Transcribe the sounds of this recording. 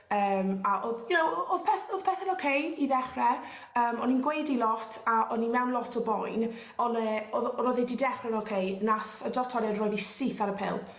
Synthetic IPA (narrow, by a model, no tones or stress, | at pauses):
əːmaʔojənowoðpʰɛθoð̥pʰɛθɛnokʰejidɛχrɛ | əːmɔninɡwejdilˠɔtʰaʔɔnimɛwnlˠɔtʰɔbɔjn | ɔnəoðɔnɔðedidɛχrɛnokʰejnaθədɔtʰɔɾjadrɔjvisɪθaɾəpʰɪ̰lˠ